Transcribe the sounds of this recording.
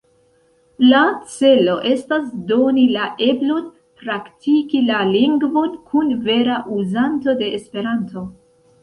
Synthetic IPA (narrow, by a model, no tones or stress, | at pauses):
lat͡se̞lo̞ʔe̞stasdo̞nilaʔe̞blo̞n | pɾaktikilaliŋɡvo̞nkʰunve̞ɾaʔuzanto̞de̞ʔːspe̞ɾanto̞